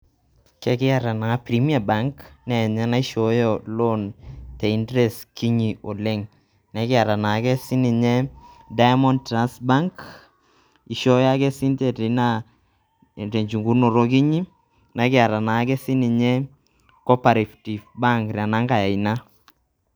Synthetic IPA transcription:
kɛ˨˦kɪ˦a˦˨ɾa˨na˨˦pɾi˨˦mi˦a˨ba˦ŋknɛ˨ɲɛ˦na˦i˦ʃɔ˨˦jɔ˨lo˦nte˨i˦ndɾɛ˨ski˦ɲi˨ʔo˨le˦ŋ | nɛ˨˦kɪ˦a˨ɾa˨na˨˦kɛ˦si˦ni˨ɲɛ˦ | da˦jmɔ˦ntɾa˦nsba˦ŋk | i˨ʃɔ˦ja˦kɛ˦si˦nte˨te˨˦na˦˨ | te˨ɲt͡ʃu˨ŋɡu˦no˨ɾo˦k̬i˦ɲi˦ | na˨˦kɪ˦a˨ɾa˨na˨˦kɛ˦si˦ni˨ɲe˦ | kɔ˦pa˨ɾe˨fti˨vba˦ŋkɾa˨na˦ŋɡa˨ja˨i˨na˦

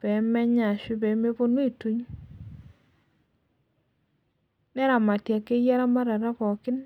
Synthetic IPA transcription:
pɛ˨˦mɛ˦ɲa˨ʃi˦bɛ˨˦me˦po˦nwi˦˨tu˦ɲ | nɛ˦ɾa˨ma˨tja˨kːe˦ja˦ɾa˦ma˦ɾa˨ɾa˦pɔ˨kɪ˦n

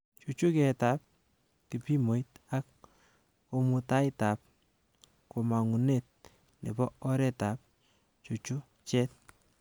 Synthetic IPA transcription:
t͡ʃu˨t͡ʃu˦kɛ˨ta˦p̚ | ki˨pi˦mo˨ita˦kː | o˧mu˨ta˦ɪta˨p̚ | ko˨ma˨ŋu˨net̚ | nḛ˨bɔ˦ɔ˦ɾɛ˦ta˨p̚ | t͡ʃu˨t͡ʃu˦ | t͡ʃɛ˦t̚

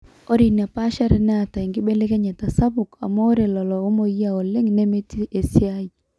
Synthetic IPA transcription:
o˦ɾi˨na˨pa˦ʃa˦ɾɛ˨nɛ˦a˨ta˨i˨ŋɡɪ˦be˦le˦kɛ˦ɲa˨ta˨sa˦bʊ˨ka̰˨mɔ˦o˦ɾe˨lɔ˨lɔ˨o˦mo˨ji˦a˨ɔ˨lɪ˦ŋne˦me˦ti˦e˨sɪ˦a˦i˨

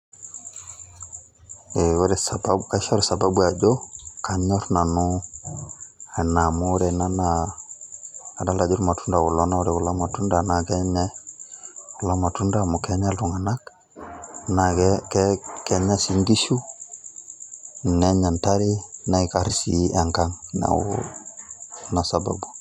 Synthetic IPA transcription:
e˨wɾɛ˨sa˨ba˦ka˦ʃa˦ɾsa˨ba˦bu˦a˨d͡ʒo˦ka˨ɲɔ˦ɾna˨nu˦ | a˨na˨mu˦ɾɛ˨na˦na˨ | da˦la˨d͡ʒi˦ɾma˨tu˦nda˨wu˨lɔ˦na˦u˦ɾɛ˨ku˨la˦ma˨tu˦nda˨na˨kɛ˦ɲɛ˦ | u˨la˦ma˨tu˦nda˦˨mu˨kɛ˦ɲa˦lu˨ŋa˨na˦k | na˨ɡɛ˦kɛ˦kɛ˦ɲa˦si˦ŋɡi˦ʃu˦ | nɛ˦ɲa˨nta˦ɾi˦na˦i˦ka˦ɾsi˨˦a˨ŋka˦ŋna̰˨wṵ | na˨sa˨ba̰˨bu˨

